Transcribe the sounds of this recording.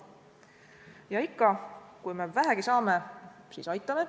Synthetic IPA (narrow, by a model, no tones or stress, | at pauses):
jɑikːɑkujmevæɦæɡ̥isɑːme̞siːsɑjt̪ːˑɑme̞